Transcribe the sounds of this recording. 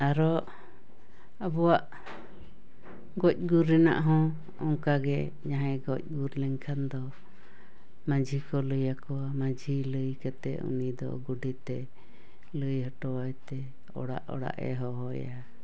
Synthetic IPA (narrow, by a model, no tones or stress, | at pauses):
aɾɔ | əbɔwaʔ | ɡɔc̚ˀɡuɾɛna̰ʔɦɔ̃ | ɔŋkaɡɛ | ɲaɦaɡɔc̚ˀɡuɾlɛŋkʰand̪ɔ | mãd͡ʒʱikɔləjakɔwamãd͡ʒʱiləjkat̪ɛṵnid̪ɔ̰ɡuɖit̪ɛ | ləjhɔʈɔwajt̪ɛ | ɔ̰ɽa̰ʔɔ̰ɽa̰ʔɛ̰ɦɔɦɔja